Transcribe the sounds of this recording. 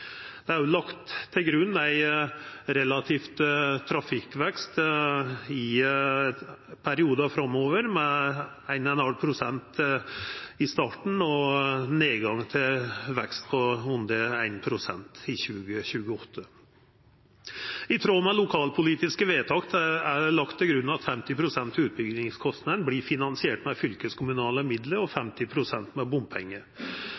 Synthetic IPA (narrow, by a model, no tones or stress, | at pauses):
d̪̥ɛæɾjʊlɑkt̪ʰːɪlɡɾʉnːæɪ | ɾɛlɑt̪ʰiːft̪t̪ʰɾɑfɪkːʋɛkst̪ | ɪ | pʰæɾɪuːd̪ɑfɾɑmːoːʋəɾmɛ | æɪnɛnhɑlpʰɾʊsɛnt̪ | ɪst̪ɑːʈɳ̩ɔneːɡɑŋt̪ʰɪlʋɛkst̪̚pʰɔʉnd̪əæɪnpʰɾʊsɛnt̪ɪçʉːɡəçʉːɡəɔt̪ʰːə | ɪt̪ʰɾoːmɛlʊkʰɑːlpʰʊliːt̪ɪskəʋeːt̪ʰɑkt̪ʰɛæɖɛlɑkt̪ʰːɪlɡɾʉnːɑt̪fɛmt̪ɪpʰɾʊsɛnt̪ʉːt̪̚bʏɡnɪŋskʰɔst̪nəd̪nblifɪnɑnsɪeːʈmɛfʏlkəskʰʊmʉnɑːləmɪd̪ləɾɔfɛmt̪ɪpʰɾʊsɛnt̪mɛbʊmpʰɛŋːə